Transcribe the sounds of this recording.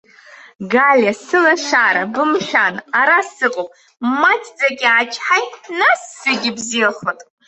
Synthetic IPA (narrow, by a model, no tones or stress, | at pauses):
ɡalʲasɨlaʂaɾabɨmʃʷᶣanaɾasɨqʼopʼ | mat͡sʰʼd͡zaɡʲiat͡ʃʰʼħajtʼnasːeɡʲɪbziaχotʼ